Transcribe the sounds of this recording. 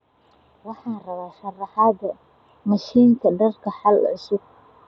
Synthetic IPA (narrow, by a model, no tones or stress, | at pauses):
wɑħɑːnrɐβaːʃɐrɑħɑd̪ɐ | mɐʃiːŋk̪ʰɐɖɐrkʰɐħɑlʊ̰sʊɡ̚